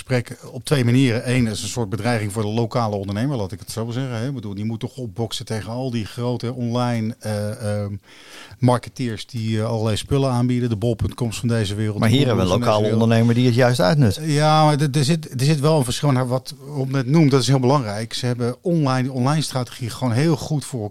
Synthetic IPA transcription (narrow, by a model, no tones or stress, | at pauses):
sprɛkɔp̚tʋejmaniːɾəʔejnɪsənsʊːɹd̚bədrɛjχɪŋvʊːɹdəlowkaːləɔndəɹnejməslaːtɪkətsowmzɛχənɦɛbəduːlˠjəmutːɔχɔp̚bɔksətejχənɑlˠdiχrowtəʔɔnlɑjn | mɑɹkətɪːɹsdiɑlˠəlɛjspɵləaːnbidədəbɔlˠpɵntkɔmstfɑndejzəʋɪːrəlˠtm̰ːɦiːɹɛbʋənlokaːləɔndəɹnejməɹdiət̬jœɥstœ̰ɥtnɵtjaːmaːɹdədəzɪtdəɹzɪtʋɛlˠənvəɹsχɪlˠnaɹʋɑt | ɔpnɛtnumdɑtɪsɦeɪːlˠbəlɑŋrɛjksəɦɛbəɔnlɑjndəɔnlɑjnstraːte̥χiχəʋownɦeːlˠχutfʊːr